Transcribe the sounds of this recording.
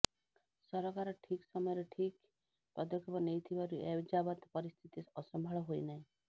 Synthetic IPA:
sɔɾɔkaɾɔʈʰiksɔmɔjɔɾeʈʰik | pɔd̪ɔkʰɔbɔnejt̪ʰibaɾued͡ʒabɔt̪pɔɾist̪ʰit̪iɔsɔmbʱaɭɔɦojnaɦĩ

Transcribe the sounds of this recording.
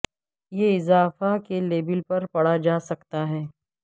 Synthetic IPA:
jeɪzaːfakeleːbɪlpɐɾpɐɽ̤ad͡ʒaːsɐkt̪aɦɛː

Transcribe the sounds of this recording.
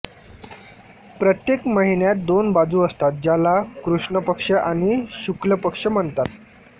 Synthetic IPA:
pɾət̪jekməɦinjat̪̚d̪onbad͡zuːəst̪at̪̚d͡ʑalakɾuʂɳəpəkʂəʔaɽ̃iɕukləpəkʂəm̤əɳt̪at̪

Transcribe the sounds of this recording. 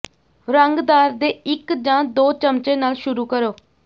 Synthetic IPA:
ɾəŋɡd̪aːɾd̪eːɪkd͡ʒãːd̪oːt͡ʃəmt͡ʃẽːnaːlʃʊɾuːkəɾoː

